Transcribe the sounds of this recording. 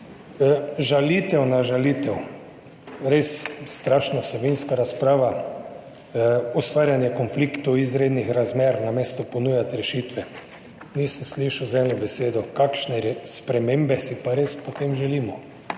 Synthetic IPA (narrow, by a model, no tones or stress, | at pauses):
ʒalit̪ɛwnaʒalit̪ɛw | ɾesːt̪ɾaːʃnɔwsɛbinskaɾaspɾaːʋa | ɔst̪ʋaːɾjanjɛkonflikt̪owizɾeːd̪nixɾazmeːɾnameːst̪ɔpɔnujat̪ɾɛʃiːt̪ʋɛ | niːsənsliʃawzɛːnɔbɛseːd̪ɔkakʃnɛɾspɾɛmeːmbɛsipaɾeːspɔt̪eːmʒɛliːmɔ